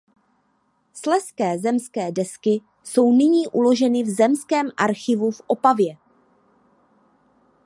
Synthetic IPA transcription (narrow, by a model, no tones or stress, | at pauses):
slɛskɛːzɛmskɛːdɛskɪ | so̞wnɪɲiːʔulo̞ʒɛnɪvzɛmskɛːmʔaɾxɪvufʔo̞pavjɛ